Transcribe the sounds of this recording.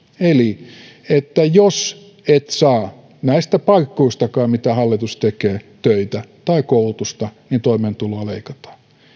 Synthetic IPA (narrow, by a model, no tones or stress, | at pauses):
eli | et̪ːæjos | et̪sɑː | næist̪æpɑikːoist̪ɑkɑːmit̪æhɑlːit̪ust̪ekeːt̪øit̪æt̪ɑikoulut̪ust̪ɑnint̪oiment̪uloɑleikɑt̪ɑ̥ː